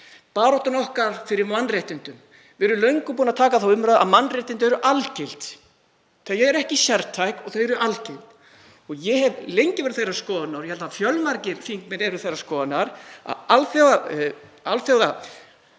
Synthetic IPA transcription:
paːɾɔht̪ʏnɔhkaɾ̥fɪɾɪɾmanːreht̪ɪnt̪ʏm | vɛɾʏlœɥjŋkʏpuːnat̪ʰaːkaðθawʏmɾaːða̰ðmanːrejht̪ɪnt̪ʏɛɾʏʔalcɪlt̪ | θɛjɛɛɾɛhcɪsjɛɾt̪ʰːajkɔθœɥɛɾʏʔalcɪlt̪ | ɔɣjɛhɛvlejɲcɪvɛɾɪðθejraskɔːðanawɾjɛhɛlt̪afjœlmaɾcɪɾfiŋkmɛnɛɾɪɾθejrḁskɔːðanaɾa̰alθjɔwa | alθjɔwða

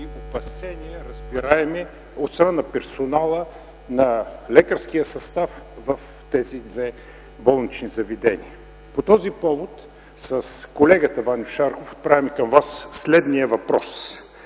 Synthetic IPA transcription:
iopɐsɛnʲiɛɾɐzbiɾaɛmɛ | ot̪sɾanɐpɛɾsonalˠə | nɐlɛkəɾsk̟ijəsɐst̪af | vəf | t̪ɛzid̪vɛ | bɔlˠnit͡ʃnizɐvid̪ɛnḭə | pot̪ɔzipɔvot̪ | səskolɛɡət̪əvanjʊʃaɾxofo̥t̪̚pɾavʲimɛkɐmvasːlɛd̪nijəvɐpɾɔs

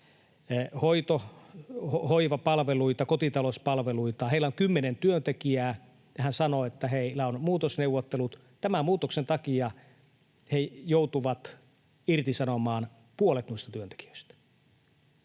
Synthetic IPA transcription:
hoit̪o | hohoiʋɑpɑlʋeluit̪ɑkot̪it̪ɑlospɑlʋeluit̪ɑheilːˑæoŋkymːenent̪yønt̪ekiæː | jɑhænsɑnoet̪ːæheilæonmuːt̪osneuʋːˑot̪ːelut̪ | t̪æmæmuːt̪oksent̪ɑkiɑ | hejout̪uʋɑt̪ | irt̪isɑnomɑːn | puolet̪nuist̪ɑt̪yønt̪e̥ki̥ø̥ist̪æ̥

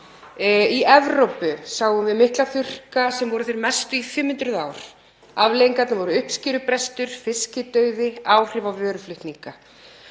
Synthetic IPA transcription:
iʔɛvɾowpʏsaːwɣʏmvɪðmɪhklaθʏr̥kasɛmvɔɾʏθejɾmɛst̪ʏifɪmːɪnt̪ɾʏðaːwɾ̥ | avlejiŋkat̪navɔɾʏʏhpscɪːɾʏpɾɛst̪ʏɾ̥fɪscɪt̪œːɥðɪaːwr̥ɪvavœːɾʏflʏht̪niŋka

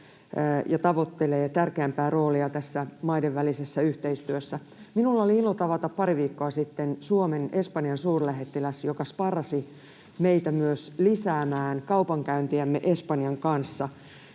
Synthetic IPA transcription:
jɑt̪ɑʋot̪ːeleːt̪ærkeæmpæːro̞ːliɑt̪æsːæmɑideʋːælisesːæyht̪eist̪yøsːæ | minulːɑoliilot̪ɑʋɑt̪ɑppɑɾiʋiːkːoɑsit̪ːensuomene̞spɑnjɑnsuːrlæɦet̪ːilæsjokɑspɑrɑsi | meit̪æmyøslisæːmæːnkɑupɑŋkæynt̪iæmːeʔe̞spɑnjɑŋkɑnsːɑ

